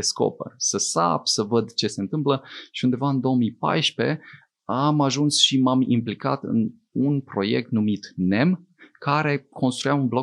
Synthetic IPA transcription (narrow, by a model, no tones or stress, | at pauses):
esko̰pə̰səsa̰psəvəd̪t͡ʃe̞se̞nt̪ɨmpləʃiund̪e̞vaɨnd̪o̞ːəmijpa̰jʃpe̞̰ | amaʒunsʃimamḭmplika̰t̪ɨ̰n | unpɾo̞je̞̰k̚t̪numit̪ne̞m | kaɾe̞kʰo̞nst̪ɾujaunblo̞